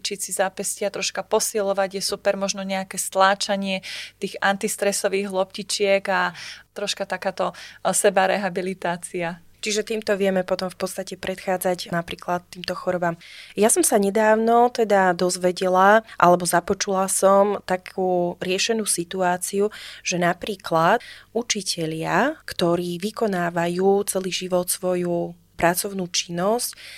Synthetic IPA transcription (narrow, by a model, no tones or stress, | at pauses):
t͡ʃisizapɛscɪat̪ɾɔʃkapɔsilɔʋaɟjɛsupɛɾmɔʒnɔɲɛakɛst̪laːt͡ʃaɲɪɛt̪iːɣant̪ist̪ɾɛsɔʋiːɣɦlˠɔpcit͡ʃɪɛɡat̪ɾɔʃkat̪akaːt̪ɔsɛbaɾɛɦabilit̪aːt͡sia | t͡ʃiʒɛt̪iːmt̪ɔʋɪɛmɛpɔt̪ɔmfpɔt̪st̪acɛpɾʔɛt̪xaːd͡zacnapɾiːklat̪t̪ːiːmt̪ɔxɔɾɔbaːmjasɔmsaɲɛd̪aːʊnɔt̪ɛd̪ad̪ɔzʋɛɟɛlaʔalɛbɔzapɔt͡ʃulasɔmt̪akʰuːɾɪɛʃɛnuːsit̪uaːt͡siuʒ̥ɛnapɾiːklat̪ut͡ʃicʰɛʎɪakt̪ɔɾiːʋikɔnaːʋajuːt͡sɛliːʒiʋɔt̪sʋɔju | pɾat͡sɔʊnuːt͡ʃinːɔsc